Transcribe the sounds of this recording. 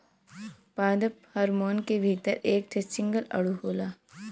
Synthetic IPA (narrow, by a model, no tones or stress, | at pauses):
paːd̪əp̚hɐɾmoːnkebʱiːt̪əɾeːk̚ʈ̪ʰesɪ̃ŋɡəlɐ̰ɽuɦoːlaː